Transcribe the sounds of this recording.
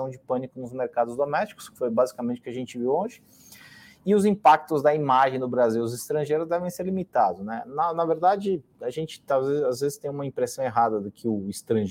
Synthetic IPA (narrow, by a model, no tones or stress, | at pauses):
ɐ̃w̃d͡ʒɪpɐ̃nikʊnʊzmeɾkad̪ʊzd̪omɛst͡ʃi̥kʊ̥skɪ̥fojbazikamẽnt͡ʃʊkɪɐʒẽnt͡ʃɪviwõʒɪ | ɪʊzĩpak̚t̪ʊzd̪ɐimaʒẽj̃d̪ʊbɾaziwʊzɪst̪ɾɐ̃ʒejɾʊzd̪ɛvẽj̃seɾlimit̪ad̪ʊznɛnɐnɐveɾd̪ad͡ʒɪ | aʒẽnt͡ʃɪ̥t̪azezazvezɪst̪ẽj̃ũmɐĩpɾesɐ̃w̃eɦad̪ɐd̪ʊkʰɪʊist̪ɾɐ̃ʒ